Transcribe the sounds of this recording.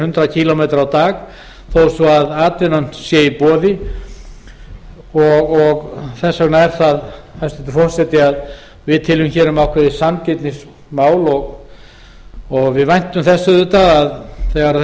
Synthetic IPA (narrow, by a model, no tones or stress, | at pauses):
hʏnt̪ɾacʰilɔmejt̪ɾawt̪aːɣ | θowsɔaðaːt̪vɪnansjɛipɔːðɪ | ɔɣɔɣθɛsːɔknaɛɾ̥θaðhajst̪ɪt̪ʏfɔr̥sɛt̪ɪað | vɪt̪ʰɪlʏmçɛːɾʏmawhkʰvɛðisanːcɪt̪nis | maːwlɔɣ | ɔɣvɪðvajn̥t̪ʏmθɛsːʏðʏt̪aðaðθɛɣaɾ